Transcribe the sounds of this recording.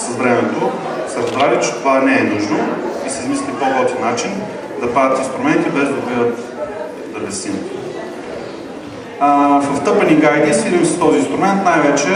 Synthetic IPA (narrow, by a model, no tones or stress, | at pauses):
sɐzvɾɛmɛt̪o | sɐɾɐzbɾalit̪t͡ʃɛ̥t̪ovanɛɛnuʒnoisizmislʲipokɔt̪inat͡ʃin | d̪ɐpad̪ət̪inst̪ɾʊmɛnt̪ibɛzd̪ɐbid̪ət̪ | d̪ɐbɛsim | fɐft̪ɤpɐniɡajd̪isid̪imsɐ̥st̪ɔziːnst̪ɾʊmɛnt̪najvɛt͡ʃɛ